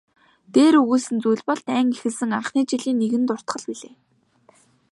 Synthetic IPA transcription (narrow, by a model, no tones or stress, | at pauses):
t̪eːɾɵɣuːsɘ̆nt͡sujɮʲpɔɮt̪æːŋixɘ̆ɮsɘ̆ŋaɴχniːt͡ɕiɮiːnːeɣɘ̆nt̪ʊr̥t̪χə̆ɮpiɮeː